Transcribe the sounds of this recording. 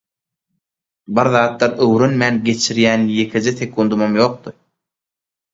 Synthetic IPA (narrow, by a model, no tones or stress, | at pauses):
biɾðɑːt̪lˠɑɾøwɾønmæːnɡe̞t͡ʃʰiɾjæːnje̞kʰed͡ʒeθekʰund̪umɑmjo̞ːq̚t̪ɯ